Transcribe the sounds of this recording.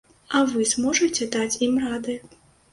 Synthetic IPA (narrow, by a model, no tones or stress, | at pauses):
ɐvɨzmɔʐɨt͡sʲɛd̪at͡sʲimrad̪ɨ